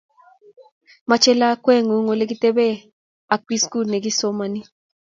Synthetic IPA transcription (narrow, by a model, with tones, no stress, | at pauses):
ma˨t͡ʃɛ˦la˦kwɛ˦ŋo˨ŋo˨le˦ɡi˦t̪e˦bɛ˦ | a˨k̚pi˦sku˦lnɛ˨ɡi˦so˦ma˦ni˦